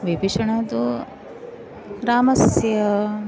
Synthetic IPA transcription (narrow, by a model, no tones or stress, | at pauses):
ʋibiʂɐɳɐd̪u | ɾaːmɐsjɐ